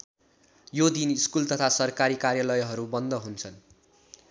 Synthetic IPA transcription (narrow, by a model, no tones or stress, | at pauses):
jod̪iniskult̪ʌt̪ʰasʌrkaɾikarjalʌjɦʌɾubʌnd̪ʌɦunt͡sʰʌn